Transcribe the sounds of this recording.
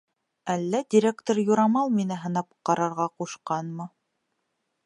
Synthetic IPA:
ælːæd̪ʲiɾʲekt̪oɾjuɾɑmɑlˠminɘɦɤ̆nɑp̚qɑɾɑɾʁɑquʃqɑnmɤ

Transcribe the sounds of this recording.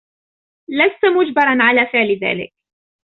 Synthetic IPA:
last̪amʊd͡ʒbɑɾˤɑnʕalaːfɪʕlɪða̰ːlɪ̰k̚

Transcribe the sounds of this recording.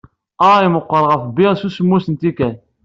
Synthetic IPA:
ɑiməqːəɾˤʁəfbiʁsusəmːusənt̪ikæ

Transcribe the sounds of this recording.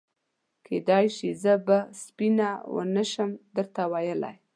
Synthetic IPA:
kʰed̪ɑjʃizəbaspinawə̰nəʃəmd̪əɾt̪awajəla̰j

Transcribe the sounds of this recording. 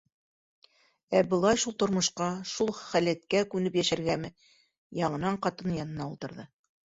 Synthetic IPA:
æbɤ̆lˠɑjʃulˠt̪ŏɾmŏʃqɑʃulˠχælæt̪̚kækʉnɘpjæʃæɾɡæmɘ | jɑɴɤ̆nɑɴqɑt̪ɤnjɑnɤ̆nɑulˠt̪ɤ̆ɾðɤ

